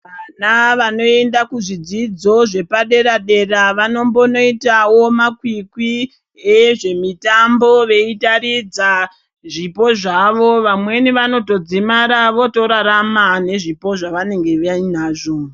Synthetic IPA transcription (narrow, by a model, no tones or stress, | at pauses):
kanaʋano̞e̞ndakuʐid͡zid͡zo̞ʐe̞paɗe̞ɾaɗe̞raʋano̞mbo̞no̞itawo̞makwikwi | eʐe̞mitambo̞ʋe̞itaɾid͡za | ʐipo̞ʐaʋo̞ʋamwe̞niʋano̞to̞d͡zimaɾaʋo̞to̞ɾaɾamane̞ʐipo̞ʐaʋane̞ŋɡe̞ainaːʐo